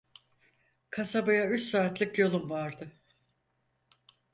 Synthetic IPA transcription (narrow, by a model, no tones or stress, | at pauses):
kʰasabajayt͡ʃsaːt̪lˠɯkjo̞lˠumvaɾd̪ɯ